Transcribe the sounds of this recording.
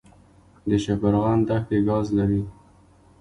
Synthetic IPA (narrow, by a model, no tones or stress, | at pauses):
d̪əʃapaɾɣɑnd̪axt̪eɡɑzlaɾi